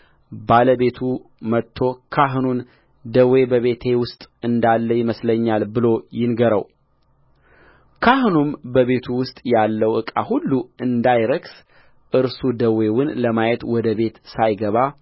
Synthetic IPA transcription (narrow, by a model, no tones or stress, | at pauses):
baləbe̞t̪ʰumət̪ʰːo̞kʰaɦnun | d̪əwe̞bəβe̞t̪ʰe̞wʊst̪ʼɨnd̪alːəjɪməsləɲːalbɨlo̞jɪnɡəɾə̰w | kʰaɦnumbəβe̞t̪ʰuwʊst̪ʼjalːəwʔɨkʼa̰hulːuɨnd̪ajɾəɡs | ʔɨɾsud̪əwe̞wɨnləmajɛt̪wɔd̪əβe̞t̪sajɡəβa